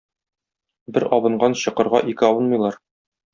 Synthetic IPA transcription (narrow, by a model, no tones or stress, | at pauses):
bɘɾɒbɤ̆ɴɢɑnɕɤ̆qɤ̆ɾʁɑ̰ʔikɘɒwɤ̆nmɤ̆jlˠɑɾ